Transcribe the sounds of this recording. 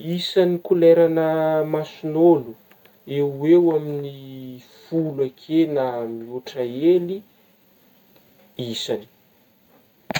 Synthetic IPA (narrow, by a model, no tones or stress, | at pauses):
isanikulɛɾanəmasunolu | ewewaminifuluakʰenamiuʈ͡ʂaeli | isani̥